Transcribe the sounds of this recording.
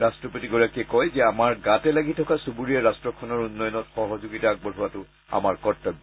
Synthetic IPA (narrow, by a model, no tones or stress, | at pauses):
ɹastɹɔpotiɡɔɹakiɛkɔjzɛamaɹɡatɛlaɡitʰɔkasubuɹijɛɹastɹɔkʰɔnɔɹunːɔjɔnɔtxɔɦɔzoɡitaaɡ̚bɔɹɦuwatʊ | a̰maɹkɔɹtːɔb